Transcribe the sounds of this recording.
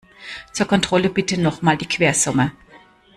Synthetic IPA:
t͡suːɐkʰɔntʁ̥ɔləbɪtənɔχmaːldiːkʰv̥eːɐz̥ʊmə

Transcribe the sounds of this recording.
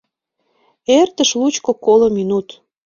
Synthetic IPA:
ert̪əʃlut͡ɕkokolominut̪

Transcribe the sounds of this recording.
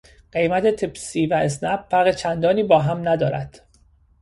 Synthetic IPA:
ɢ̥e̞jmæt̪ʰet̪ʰebsiːvæes̬næbːæɾɣet͡ʃʰænd̪ɒːniːbɒːɦæmnæd̪ɒːɾæ̰d̪̥

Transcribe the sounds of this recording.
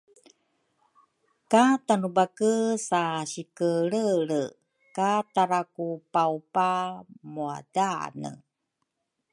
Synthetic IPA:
katanubakəsaɕikəɭəɭə | kataɾakupaupamua̰da̰nə̰

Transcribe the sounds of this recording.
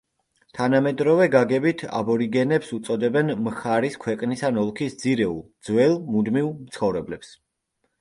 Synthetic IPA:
t̪ʰanamɛd̪ɾɔvɛɡaɡɛbit̪ʰa̰bɔɾiɡɛnɛpsut̪sʼɔd̪ɛbɛnmχaɾiskʰwɛqʼnisanɔlˠkʰisd̪z̥iɾɛṵlˠd̪z̥wɛlˠmud̪mivmt̪sʰχɔvɾɛblɛps

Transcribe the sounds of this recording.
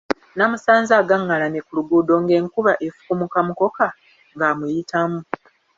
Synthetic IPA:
namusaːnzaːɡaŋːalanekuluɡuːdo̞ŋɡe̞ːŋkuβaʔefu̥kumukamuko̞ka | ŋɡaːmujitʰamu

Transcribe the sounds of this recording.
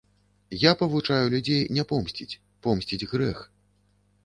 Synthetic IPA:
japɐvut͡ʂajulʲud͡zʲejnʲɛpɔmsʲt͡sʲit͡sʲ | pɔmsʲt͡sʲid͡zʲɣɾɛx

